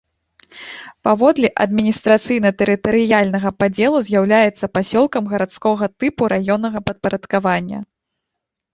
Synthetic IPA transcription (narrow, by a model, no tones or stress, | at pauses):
pavɔd̪lʲiʔɐ̰d̪̚mʲinʲist̪ɾat̪sɨjnɐt̪ɛɾɨt̪ɐɾɨjalʲnɐɣɐpad͡zʲɛlˠuzʲjawlʲajɛt̪sːɐpasʲɔlˠkɐmɣɐɾat̪skɔɣɐt̪ɨpuɾʔajɔnːɐɣɐpɐt̪̚pɐɾɐt̪kavanʲːɐ̰